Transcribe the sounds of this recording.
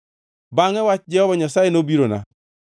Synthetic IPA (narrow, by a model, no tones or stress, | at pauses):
baŋɛwat͡ʃd͡ʒɛhɔbaɲasajenobiɾona̰